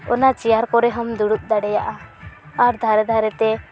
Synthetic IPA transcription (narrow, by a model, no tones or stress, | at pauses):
ɔnat͡ʃɛjaɾkɔɾɛɦɔmd̪uɽuʔ̪̚ˀd̪aɽɛjaʔa | aɾd̪ʱaɾɛd̪ʱaɾɛt̪ɛ